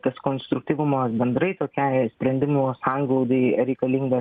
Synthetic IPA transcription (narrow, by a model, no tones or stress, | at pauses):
t̪ɐskoːnst̪ɾʊk̚t̪ʲiʋʊmɐsbʲɛnd̪ɾɐɪt̪oːkʲɛsʲpʲɾʲɛnʲd̪ʲɪmuːsɑŋɡlˠɐʊd̪ɐɾʲɛɪkɐlʲiŋɡɐ